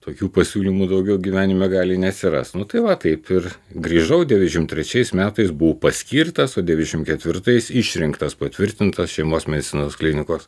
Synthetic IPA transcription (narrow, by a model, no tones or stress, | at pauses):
t̪oːkʲuːpɐsʲuːlʲiːmuːd̪ɐʊɡʲɛʊɡʲiʋʲæːnʲɪmʲɛɡɑːlʲɪnʲɛɐt̪ʲsʲɪɾɐ̰st̪nʊt̪ɐɪʋɐt̪ɐɪpɪrɡɾʲiːʒɐʊd̪ʲɛʋʲɪd̪ʲɛʃʲɪmt̪ʲɾʲɛt͡ʃʲɛɪsmʲæːt̪ɐɪsbʊʋpɐsʲkʲiːrt̪ɐsoːdʲɛʋʲɪd̪ʲɛʃʲɪmkʲɛt̪ʲʋʲɪɾt̪ɐɪsɪʃʲɾʲɪŋkt̪ɐspɐt̪ʲʋʲɪɾʲt̪ʲɪnt̪ɐsʃʲɛɪmoːsmʲɛd̪ʲɪtt͡sʲɪnoːsklʲɪnʲɪkoːs